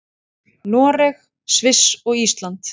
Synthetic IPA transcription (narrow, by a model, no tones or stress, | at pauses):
nɔːɾɛx | svɪsɔɣist̪lant̪